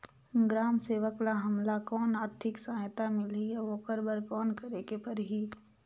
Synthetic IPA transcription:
ɡɾaːmseːʋəklaɦɐmlakɔːnaːɾt̪ʰɪksaːjt̪amɪlijaʋoːkəɾbəɾkɔːnkəɾeːkepəɾɦi

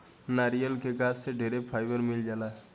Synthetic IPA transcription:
naɾijəlkeɡassːeɖʱeɾepʰaːjbəɾmɪld͡ʒaːlaɦ

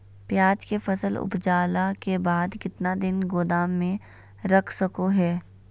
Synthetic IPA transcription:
pjaːd͡ʒkefɐsəlʊ̰pd͡ʒaːlakebaːd̪kɪt̪nad̪ɪnɡoːd̪aːmːẽ | ɾɐkʰsɐkoɦɛː

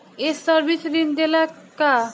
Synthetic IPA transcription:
esɔɾbisɾind̪ela | ka

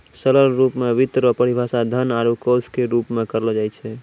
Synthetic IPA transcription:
sələlɾupmeʋit̪ɾəpəɽibʱasad̪ʱənaɾukoskeɾupmekəɾlɔd͡ʒajt͡ʃʰɛ

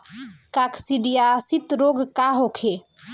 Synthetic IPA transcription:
kakʰsiɖijasit̪ɾoɡkaɦokʰe

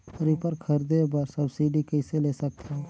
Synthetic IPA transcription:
ɾipəɾkʰɐɾd̪ebɐɾsɐbsiːɖikɛɪseleːsɐk̚t̪ʰeɦ

